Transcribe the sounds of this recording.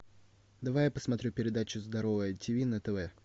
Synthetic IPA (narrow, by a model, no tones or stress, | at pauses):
d̪ɐvajapəsmɐt̪ɾʲupʲɪɾʲɪd̪at͡ɕʊzd̪ɐɾo̞vəjətʲɪvʲinət̪əvɛ